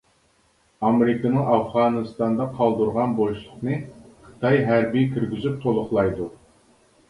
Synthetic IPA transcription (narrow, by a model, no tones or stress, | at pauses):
ɑmeɾɨkʰənɨŋɑfʁɑːnɨst̪ɑnd̪ɑqʰɑlˠd̪uɾʁɑnboʃlˠʊqnɨqʰə̥t̪ʰɑjɦæɾbikʲʰyɾɡʲyzyp̚t̪ʰolˠʊχlˠɑjd̪u